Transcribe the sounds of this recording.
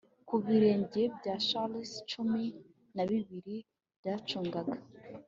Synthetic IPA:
kuβiɾe̞ːɲɟebɟaːt͡ʃalist͡ʃumi | naβiβiɾi | b̥ɟaːt͡ʃuːŋɡaɡa

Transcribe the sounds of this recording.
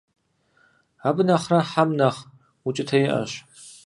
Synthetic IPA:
abɨnɐχrɐħamnɐχ | ut͡ʃʼɪtʰɐjɪʔɐ̰ɕ

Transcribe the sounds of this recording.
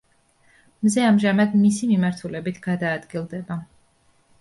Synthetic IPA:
mzɛamʒamad̪misimimaɾt̪ʰulɛbit̪ʰɡ̥ad̪aːd̪ɡilˠd̪ɛba

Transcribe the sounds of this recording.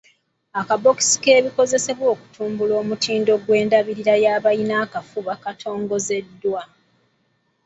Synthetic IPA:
akabo̞ki̥si̥ke̞ːβiko̞ze̞se̞βwo̞ːku̥tʰuːmbulo̞ːmutiːndo̞ɡwe̞ːndaβiɾiɾajaːβainaːkafuβakatʰo̞ːŋɡo̞ze̞dːwa

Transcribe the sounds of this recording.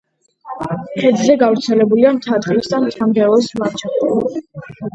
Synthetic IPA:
χɛd̪zɛɡavɾt̪sʰɛlɛbuliamt̪ʰad̪ʁisd̪amt̪ʰamɡɛlˠɔsmaɾt͡ʃʰɔ

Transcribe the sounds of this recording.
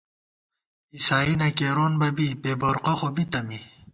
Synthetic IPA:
isaːinɐkeːɾoːnbɐbipeːboɾqoxobit̪ɐmi

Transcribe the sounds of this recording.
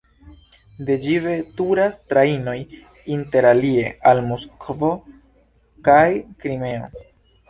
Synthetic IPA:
de̞d͡ʒive̞tuɾastɾaino̞j | inte̞ɾalie̞almoskovo̞ | kajkɾime̞o̞̰

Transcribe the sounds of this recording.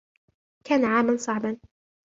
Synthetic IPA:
kaːnaʕaːmansˤɑʕbɑn

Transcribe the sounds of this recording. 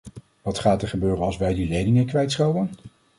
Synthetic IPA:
ʋɑtχaːtɛɹχəbøːrənɑlˠsʋɛjdilejdɪŋəkʋɛjtsχɑwən

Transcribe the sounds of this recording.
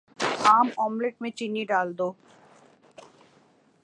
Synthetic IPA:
amɔmleʈ̚met͡ɕinːiɖald̪o

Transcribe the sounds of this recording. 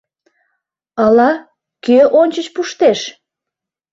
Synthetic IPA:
ɑlɑ | køʔonʲt͡ɕət͡ɕpuʃt̪eʃ

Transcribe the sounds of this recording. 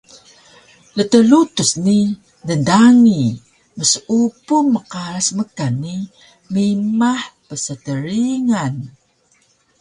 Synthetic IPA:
lət̪əlut̪usni | dəndaŋi | məsupumːəqaɾasməkanːi | mimaħpəsətəɾiŋan

